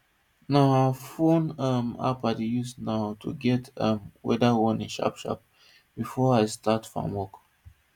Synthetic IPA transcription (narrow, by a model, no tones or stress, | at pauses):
naafõnəma̰padijusnaʊtʰṵɡɛtʌmwɛ̰dawɔ̃nĩnʃa̰pʃa̰p̚ | b̥ifɔajstatfɹɔ̰̃mwɔk